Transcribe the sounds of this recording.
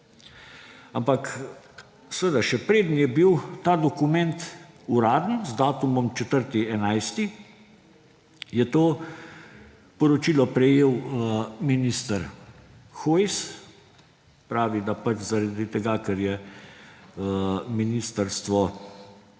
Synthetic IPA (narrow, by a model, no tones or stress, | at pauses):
ampak | səʋəd̪aʃɛpɾeːd̪n̩jɛbiwt̪aːd̪ɔkumɛnt̪uɾaːd̪ən̩zd̪aːt̪umɔmt͡ʃɛt̪əɾt̪iɛnajst̪i | jɛt̪oː | pɔɾɔt͡ʃiːlɔpɾɛjeːwminist̪əɾ | xoːjs | pɾaːʋid̪apat͡ʃzaɾad̪it̪ɛɡakɛɾjɛ | minist̪əɾst̪ʋɔ